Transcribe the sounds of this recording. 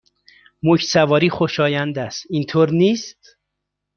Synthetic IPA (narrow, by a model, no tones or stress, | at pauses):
mocʰsævɒːɾiːxo̞ʃɒːjænd̪æst̪int̪ʰoːɾniːst̪